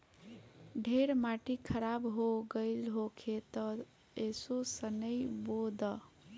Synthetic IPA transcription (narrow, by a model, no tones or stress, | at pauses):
ɖʱeɾmaʈikʰəɾabɦoɡəɪlɦokʰet̪ɔ | esosənəjbod̪ə